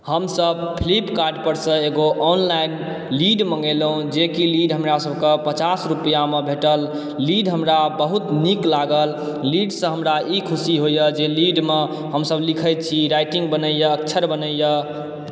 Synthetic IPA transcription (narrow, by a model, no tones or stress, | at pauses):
həmsəb̚pʰlipkaɾɖpəɾsə̃eɡoʔɔnlajn | liɖməŋɡelɦũd͡ʒekiliɖɦəmɾasəbʱkepət͡ʃasɾupijamebʱeʈəlː | iɖɦəmɾabəɦut̪niklaɡəlː | iɖsə̃ɦəmɾaikʰusiɦojəd͡ʒeliɖme | ɦəmsəblikʰəjt̪̚t͡ʃʰiɾajʈĩŋɡbənəjəəkt͡ʃʰəɾbənəjə